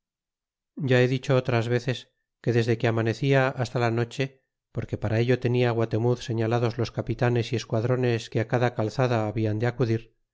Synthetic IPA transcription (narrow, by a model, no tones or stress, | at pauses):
ɟ͡ʝae̞ðit͡ʃo̞ot̪ɾazβ̞eθe̞s | ke̞ðe̞zðe̞ke̞amane̞θiaast̪alano̞t͡ʃe̞ | po̞ɾke̞paɾae̞ʎo̞t̪e̞niaɣwat̪e̞muðse̞ɲalaðo̞zlo̞skapit̪ane̞sie̞skwaðɾo̞ne̞ske̞akaðakalθaðaːβiand̪eakuðiɾ